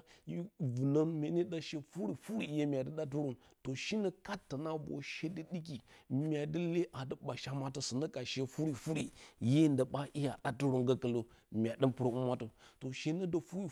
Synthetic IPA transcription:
ji˦vu˨nə˦nmʲe˨˦ni˦da˦ʃe˦fu˦ɾi˨fu˦ɾi˨˦je˦mʲ˨a˨də˦ɗa˦t̬u˦ɾo˦nto˨ʃi˦nə˦ka˦tːə˨na˦bo̰˨ʃe˦də˦ɗi˦k̬i˨mʲa˨də˦le˦ʔa˨də˦ɓa˨ʃa˦ma˦tə˨sə˨nə˦ka˨ʃe˦fu˦ɾi˨fu˦ɾi˨je˦˨ndə˨ɓa˦ʔi˦ja˨ɗa˦tu˦ɾo˦ŋɡə˦kə˨lo˨ | mʲ˨a˨də˦npu˦ɾə˨u˦ma˦tə˨to˨ʃe˦nə˦də˨fu˦ɾi˦˨

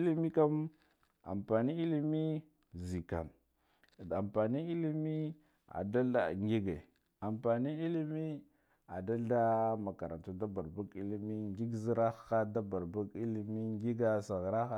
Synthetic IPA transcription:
i˦li˦mi˦ka˦m | a̰˨mpa˨ni˦i˦li˦mi˦ | zi˨ka̰˨n | a˨mpa˨ni˦i˦li˦mi˦ | a̰˨da˦a̰˨ŋɡi˦ɡe˨ | a˨mpa˨ni˦i˦li˦mi˦ | a˨da˦ɮda˦ma˨ka˨ɾa˨tu˦da˦ba˨ɾba˦ɡi˦li˦mi˦ŋɡi˦ɡzi˦ɾa˦a˦da˦ba˨ɾba˦ɡi˦li˨mi˦ŋɡi˦ɡa˦sa˨ɣɾa˦xa˦

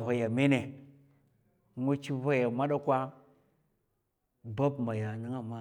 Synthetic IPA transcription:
va˨ja˨me˦ne˨˦ | ŋu˦t͡ʃi˦va˦ja˨ma˦ɗa˦kʷa˦ | ba˦bma˨ja˨nɨ˦ŋa˨ma˦

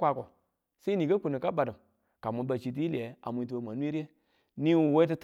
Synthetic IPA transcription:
kʷa˧˨kɔ˨ | se˦i˦nĩː˨kə˦k͡pu˨nɨ̃˨ka˦ɓa˨dɨ˨ | ka˨mũ˧˦ɓə˧˨t͡ʃi˧˦t̬i˦li˨ɛ˨˦a̰˨mũ˧ĩ˧t̬o˧˨mã˨˦nũ˦i˦ɾɛ˦ | nĩ˦wu˨wɛ˦t̬ɨ˧˦t

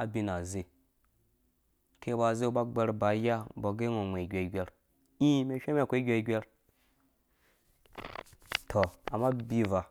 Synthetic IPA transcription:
a˨bi˦na˨ze˦ | kʰe˦ba˨ze˦ba˦ɡ͡be˦ɾba˨˦ja˦ba˨ɡe˦ŋo˨ŋʷ˨e˨ɡʲʷe˨ɡʲʷe˨ɾ | ĩ˦me˨ʃʲʷe˦m˦e˦˨kʷe˦ɡʲʷe˨i˨˦ɡʲʷe˦ɾ | tʰo˨a˨ma˦bi˦va˨

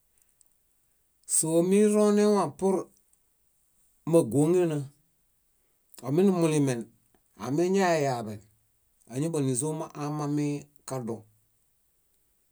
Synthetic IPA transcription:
so˨˦mi˦ɾo˦ne˦wa˨pu˦ɾ | ma˨ɡo˨˦ŋe˦na˦˨ | o˨mi˦ni˦mu˨li˨mɛ˨n | a̰˨mi˦ɲa˦˨ja˨bɛ˨n | a˨ɲi˦ba˨ni˨zo˦ma˦ʔa˦ma˦mi˦ | ka˦do˨

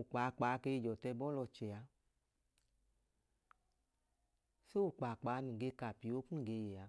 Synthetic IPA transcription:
u˨k͡pa˨˦˨k͡paː˨˦ke˧i˧˨d͡ʒɔ˨tɛ˧bɔ˦lɔ˧˨t͡ʃɛ˨a˧ | se˦wu˨k͡paː˨k͡paː˨˦nũ˨ɡe˧ka˨pi˨˦wo˦kũ˦˨ɡe˧je˨a˨

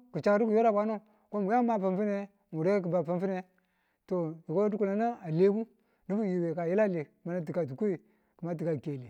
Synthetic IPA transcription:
ku˨t͡ʃa˨kɾu˦ku˨jo˦ɾa˦˨kʷa˦no˦˨ | ko˦mu˨ja˦ma˨pa˨mfi˦ne˦ | mu˨ɾe˦k̬i˨ba˨pa˦mfi˦ne˨ | to˨ji˨ko˦u˦ku˨la˨na˦a˨le˦ku˦ | ni˦bu˦ji˨we˨ka˨ji˦la˦li˨ma˨˦na˦t̬i˨ka˨tu˨kʷo˦i˨ | ku˨ma˦t̬i˨ka˨ke˨li˨

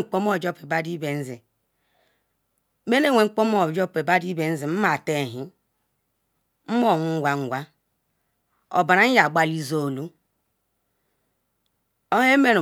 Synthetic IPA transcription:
k͡po˦m˦o˦˨d͡ʒo˦pe˨ba˦di˦be˨n̩˦zḭ˨ | me˦ne˦˨wʷe˨ŋ͡m̩˦k͡po˦m˦o˨d͡ʒo˦pe˨ba˦di˦be˨n̩˦zi˨m̩˦ma˨te˦˨ɦi˦ | m̩˦mo˦˨ŋʷu˦ŋ˦ɡʷa˨ŋ̩˨ɡʷa˦ | o̰˨ba˨ɾa˨˦n̩˦ja˨ɡ͡ba˦li˦zo˦˨lu˦ | o˦he˦me˦ɾu˨

